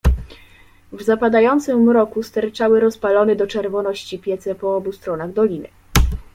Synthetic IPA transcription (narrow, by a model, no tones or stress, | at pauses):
vzapad̪ajɔnt̪sɘmːɾɔkust̪ɛɾt͡ʂawɘɾɔspalɔnɛd̪ɔt͡ʂɛɾvɔnɔɕt͡ɕipʲjɛt̪sɛpɔɔbust̪ɾɔnaɣd̪ɔlʲinɘ̰